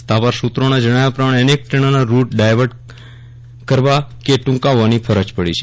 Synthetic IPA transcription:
t̪aʋaɾsut̪ɾonad͡ʒəɽ̃ajapɾamaɳenek̚ʈəɳ̃anaɾuʈ̚ɖajʋəɾɖ | kəɾʋakeʈũŋkaʋːanipʰəɾəd͡ʒpəɽit͡ʃʰe

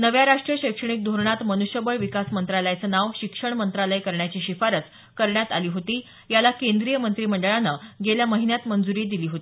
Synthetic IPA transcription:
nəʋjaɾaʂʈɾijəɕəkʂəɳ̃ik̚d̪ʱoɾɳat̪mənuɕjəbəɭʋikasmənt̪ɾaləjat͡sənaʋɕikʂəɳmənt̪ɾaləikəɾɳjat͡ɕiːɕifaɾət͡s | kəɾɳjat̪aliːɦot̪iː | jalakend̪ɾijəmənt̪ɾiːməɳɖəɭanəɡeljaməɦinjat̪mənd͡zuɾiːd̪iliːɦot̪ii

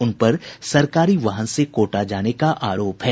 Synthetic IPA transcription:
ʊnpɐɾsɐɾkaːɾiʋaɦənsekoːʈad͡ʒaːnekaʔaːɾoːpɦɛː

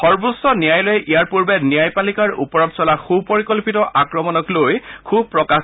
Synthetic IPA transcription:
xɔɹbusːɔnijajlojɛʔijaɹpuɹbɛnijajpalikaɹṵpɔɹɔpsɔlaxupɔɹikɔlpitɔʔakɹɔmɔnɔklojkʰub̚pɹɔka

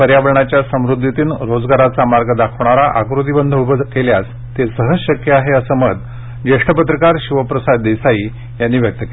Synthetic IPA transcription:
pəɾjaʋəɭɳat͡ɕjasəmɾud̪ʱːit̪iːnɾod͡zɡaɾat͡samaɾɡəd̪akʰəʋɳaɾaʔakɾud̪ibənd̪ʱəubəkeljat͡s | t̪esəɦəsɕəkjəaɦeəsəːməd̪̚ | d͡ʑeʂʈəpət̪ɾəkaɾɕiʋəpɾəsad̪ːisaiː | janːiːʋʱjək̚t̪əke

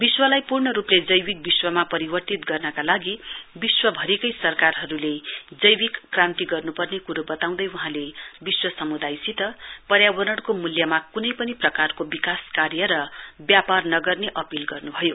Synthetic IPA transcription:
biswʌlajpurɳʌɾupled͡zʌjbik̚biswʌmapʌɾibʌrt̪it̪ɡʌrnʌkalaɡibiswʌbʱʌɾekʌjsʌrkarɦʌɾuled͡zʌjwikːrãnt̪iɡʌrnupʌrnekuɾubʌt̪aw̃d̪ʌjuɦãlebiswʌsʌmud̪ajsit̪ʌpʌɾjabʌɾʌɽkomuljʌmakunʌjpʌniprʌkarkobikaskarjʌɾʌbjaparnʌɡʌrneʔʌpilɡʌrnubʱʌjo

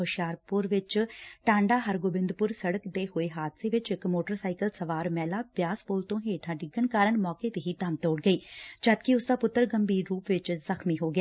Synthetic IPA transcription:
ɦʊʃjaːɾpʊɾʋɪt͡ʃʈãːɳɖaːɦəɾɡoːbɪ̃nd̪pʊɾsəɽəkd̪eːɦoːeːɦaːd̪seːʋɪt͡ʃɪkmoːʈəɾsaːɪkəlsəʋaːɾmɛːlaːpjaːspoːlt̪õːɦeːʈʰãːɖɪɡəɳkaːɾəɳmɔːkeːt̪eːɦiːd̪əmt̪ɔːɽɡəiːd͡ʒəːd̪kɪʊsd̪aːpʊt̪ːəɾɡəmbiːɾːuːpʋɪt͡ʃzəkʰmiːɦoːɡɪaː

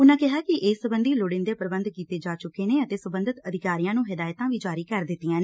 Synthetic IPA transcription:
ʊnãːkɪɦaːkɪʔeːsəbənd̪iːlʊɽɪnd̪eːpəɾəbənd̪kiːt̪eːd͡ʒaːt͡ʃʊkːeːneːət̪eːsəbə̃nd̪ət̪əd̪ɪkaːɾijãːnũːɦɪd̪aːjt̪ãːʋiːd͡ʒaːɾiːkəɾd̪ɪt̪ːijãːne

